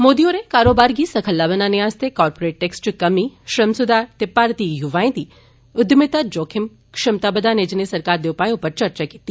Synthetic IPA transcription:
moːd̪iõɾekaːɾobaɾɡisəkʰəlːaʋənaneast̪ʰekɔːɾpoɾeːʈːeksʈkəmiʃɾəmsʊd̪ʱaɾt̪epaɾt̪ijuʋaːẽt̪i | ʊd̪mɪt̪ad͡ʒoːkʰɪm | kʂɪmt̪abəd̪aned͡ʒnesəɾkaɾd̪eʊpajõpəɾt͡ʃəɾt͡ʃakit̪iː

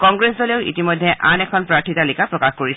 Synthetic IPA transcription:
kɔŋɡɹesɔleʊʔḭtimɔjdʱːɛʔa̰nɛkʰɔnpɹaɹtʰitalikʰapɹɔkaxkoɹis

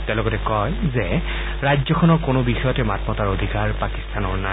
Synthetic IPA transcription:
tɛ̃ʊ̃lɔkɔtɛkɔjzɛ | ɹajd͡ʒzɔkʰɔnɔɹkonʊbixɔjɔtɛmatmɔtaɹodʱikaɹpaki̥stanɔɹna

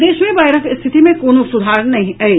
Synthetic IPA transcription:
d̪eːʃmẽbaːɪɾəkɪst̪ʰɪt̪imẽkoːnosʊd̪ʱaːɾənɐɦĩɐe

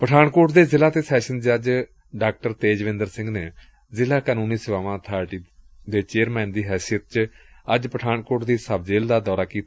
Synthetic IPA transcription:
pəʈʰaːɳkoːʈd̪eːzɪlaːt̪eːsɛːʃənd͡ʒəd͡ʒ | ɖaːk̚ʈəɾt̪eːd͡ʒʋɪ̃nd̪əɾsɪ̃ŋɡneː | zɪlaːkənũːniːsəʋaːʋãːt̪ʰaːɾʈiːd̪eːt͡ʃeːəɾmɛ̃ːnd̪iːɦɛːsijət̪̚t͡ʃəd͡ʒpəʈʰaːɳkoːɾʈd̪iːsəb̚d͡ʒeːld̪aːd̪ɔːɾaːkiːt̪ː

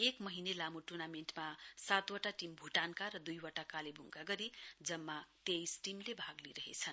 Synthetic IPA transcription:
ekmʌɦinelamuʈurnamenʈmasat̪waʈaʈimbʱuʈankaɾʌd̪ujwʌʈakalebʱuŋkaɡʌɾid͡zʌmːat̪ejsʈimlebʱaɡliɾʌɦḛt͡sʰʌn

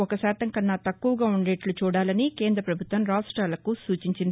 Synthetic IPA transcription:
ɔkɐsɛːt̪ɐŋkɐnːat̪ɐkːuʋɐɡaːuɳɖeːʈlut͡ʃuːɽaːlɐnike̞ːnd̪ɾɐpɾɐbʱut̪ʋɐmɾaːsʈɾaːlɐkusuːt͡ʃiɲt͡ʃind̪i

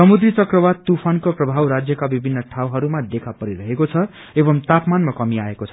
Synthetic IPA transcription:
sʌmud̪rit͡sʌkrʌbad̪̚t̪upʰankoprʌbʱawɾad͡zjʌkabibʱinːʌʈʰawɦʌɾumad̪ekʰapʌɾiɾʌɦekot͡sʰʌ | ebʌmt̪apmanmakʌmiaekot͡sʰʌ

